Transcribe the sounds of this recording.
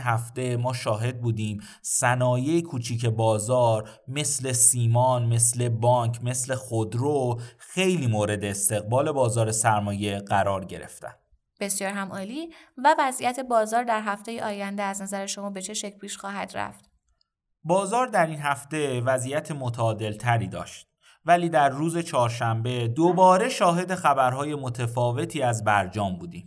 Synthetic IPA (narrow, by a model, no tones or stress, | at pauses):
ɦæft̪e̞mɒːʃɒːɦe̞d̪̚buːd̪iːm | sænɒːjejikʰuːt͡ʃʰiːcʰe̞bɒːzɒːɾ | me̞sle̞siːmɒːnme̞sle̞bɒːŋkʰme̞sle̞xod̪ɾoxe̞jliːmoːɾe̞d̪e̞ːst̪e̞ɣbɒːle̞bɒːzɒːɾe̞sæɾmɒːje̞ɢæɾɒːɾɟe̞ɾe̞̰ft̪ʰæ̰n | b̥e̞sjɒːɾɦæmʔɒːliːvævæzijæt̪ʰe̞bɒːzɒːɾd̪æɾɦæft̪e̞jeʔɒːjænd̪eæznæzæɾeʃo̞mɒːbe̞t͡ʃʰe̞ʃecʰlpʰiːʃxɒːɦæ̰d̪ɾæ̰ft̪ | bɒːzɒːɾd̪æɾiːnɦæft̪e̞væzijæt̪ʰemot̪ʰːd̪e̞lt̪ʰæɾiːd̪ɒ̰ːʃt̪̚ | væliːd̪æɾːuːze̞t͡ʃʰɒːɾʃæmbe̞d̪obɒːɾe̞ʃɒːɦe̞d̪e̞xæbæɾɦɒːje̞mot̪ʰefɒːve̞t̪ʰiːæzbæɾd͡ʒɒːmbuːd̪ḭːm